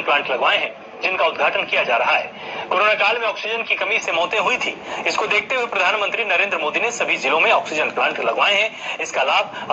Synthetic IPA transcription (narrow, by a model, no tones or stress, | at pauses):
nplãːɳʈlɐɡʋaːeɦɛ̃ | d͡ʒɪnkaʊd̪ɡʱaːʈənkijad͡ʒaːɾɐɦaɦɛ̰ːkoːɾoːnaːkaːlmẽɔːksɪd͡ʒənkikɐmisemɔːt̪ẽɦʊit̪ʰḭːɪskod̪eːk̚ʰt̪eɦuipɾɐd̪ʱaːnmə̃nt̪ɾinɐɾẽːnd̪ɾəmoːd̪inesɐbʱid͡ʒɪlõmẽɔːksɪd͡ʒənplãːɳʈlɐɡʋaːeɦɛ̃ɪskalaːb̚ʱɐ